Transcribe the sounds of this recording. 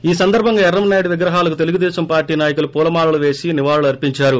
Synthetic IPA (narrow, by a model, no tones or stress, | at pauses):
iːsɐnd̪ɐɾbʱɐŋɡaːɛɾrːɐmnaːjɽʋiɡɾɐɦaːlɐk̬ut̪e̞luɡud̪ɛːʃɐmpaːɾʈiːnaːjɐkulupuːlɐmaːɭɐluʋeːsiniʋaːɭɐluɐɾpiɲt͡ʃaːɾu